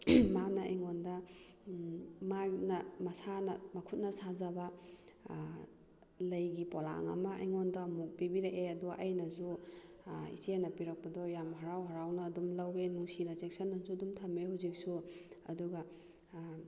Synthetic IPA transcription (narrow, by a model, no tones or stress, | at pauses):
manɐejŋɔndɐ | manɐmɐsanɐmɐkʰut̚nɐsazɐbɐ | lɐjɡipɔla̰ŋɐ̰mɐʔɐ̰jŋɔndɐmuk̚pibiɾeʔeɐduʔɐjnɐzu | ḭsinɐpiɾɐk̚pɐdɔjamɦɐɾawɦɐɾawnɐːdumlɐwenusinɐt͡ʃek̚sɐnːɐzudumtʰɐmehawzik̚suɐduɡɐ